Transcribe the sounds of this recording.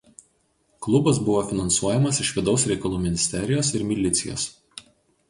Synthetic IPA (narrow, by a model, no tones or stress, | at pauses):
klˠʊbɐsbʊʋoːfʲɪnɐnsuɔjɛmɐsɪʃʋʲɪd̪ɒʊsɾʲɛɪkɐlˠuːmʲɪnʲɪsʲt̪ʲɛɾʲɪjoːsɪɾmʲɪlʲɪt̪sʲɪjo̰ːs